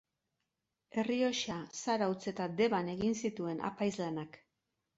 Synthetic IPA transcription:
e̞rio̞ʃasaɾawt͡se̞t̪ad̪e̞βane̞ɣinsit̪ue̞nʔa̰pajzlanak

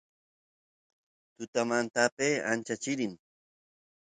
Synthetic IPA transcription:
t̪ʊt̪amant̪apeːa̰nt͡ʃat͡ʃɪɾɪm

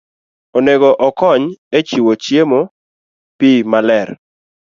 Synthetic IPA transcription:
oneɡɔʔɔkɔɲet͡ʃiwot͡ʃjemo | pimalɛr

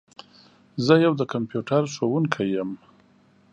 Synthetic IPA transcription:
zəjawd̪əkampjuʈʰaɾʂowuŋkʰajəm

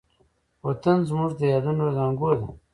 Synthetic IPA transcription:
wat̪anzmuʐd̪əjɑːd̪unozɑŋɡod̪a

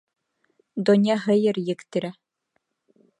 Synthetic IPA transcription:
d̪onʲjɑɦɘ̆jɘ̆ɾjɘ̆kt̪ɘ̆ɾæ

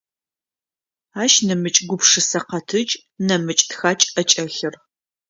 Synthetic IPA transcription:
aːʃnɐmɨt͡ʃʼɡʷʊpʂɨsɐqɐtʰɨt͡ʃʼ | nɐmɨt͡ʃʼtxaːt͡ʃʼɐt͡ʃʼɐɬɪr

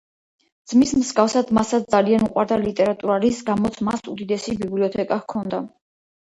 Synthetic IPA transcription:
d̪z̥mismsɡafsad̪masat̪s̚d̪zalianuqʼwaɾd̪alit̪ʼɛɾat̪ʼuɾalisɡamɔt̪sʰmasud̪id̪ɛsibibliɔt̪ʰɛkʼahkʰɔnd̪a

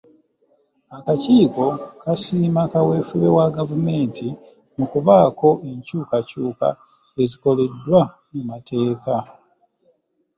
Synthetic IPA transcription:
akaciːko̞kasiːmakawe̞fuβe̞waɡavume̞ːnti | mukuβaːko̞ʔe̞ɲcuːkacuːka̰ | e̞ziko̞le̞dːwa | mumatʰe̞ːka

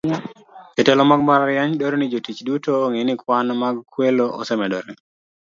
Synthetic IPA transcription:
d͡ʒɛtɛlɔmaɡmaɾaɾjaɲdoɾnid͡ʒotit͡ʃdutoŋenɪkwanmaɡkweloʔɔ̰sɛmɛdɔɾɛ

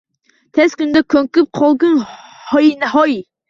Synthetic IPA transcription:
t̪ʰɛskʲynd̪ɛkʲʰøŋkʲyp̚qʰɑlˠɡɨnhɔjinɛɦɔji

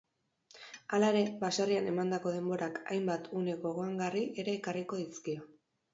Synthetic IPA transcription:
alaeɾe̞basariane̞mand̪ako̞ð̞e̞mbo̞ɾaka̰jmbat̪ʰune̞ɣo̞ɣ̞o̞aŋɡariʔe̞ɾe̞ːkariko̞ðiskio

